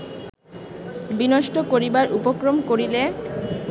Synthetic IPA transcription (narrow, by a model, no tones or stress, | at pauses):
binoʃʈokoɾibaɾʔupokɾomkoɾile